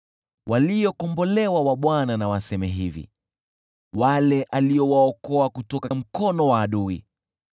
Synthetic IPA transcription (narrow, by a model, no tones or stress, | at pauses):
wʔalijɔkɔmbɔlɛwawaɓwananawasɛmɛɦivḭ | walɛʔaliɔwaɔkɔakutɔkam̩kɔnɔwaːɗuḭ